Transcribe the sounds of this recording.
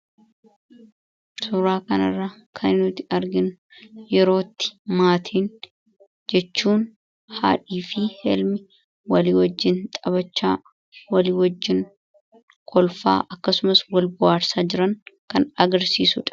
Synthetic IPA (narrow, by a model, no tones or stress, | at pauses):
sʊɾaːkɐnɐ̰rːɐkʰɐnɪnʊt̪ɪɐɾɡɪnʊ | jɛɾo̞ːt̪ːɪ̥maːt̪ʰiːn | d͡ʒɛt͡ʃːuːn | ha̰ːᶑiːfɪhɛ̰lmɪ | wɐliːwɐd͡ʒːɪnt̪ʼɐbɐt͡ʃːa̰ː | wɐliːwɐd͡ʒːɪŋ | kʰɔlfa̰ːʔɐkːɐsʊmɐswɐlbʊʔaːɾsaːd͡ʒɪɾɐŋkɐnɐɡɐɾsḭːsʊᶑɐ̥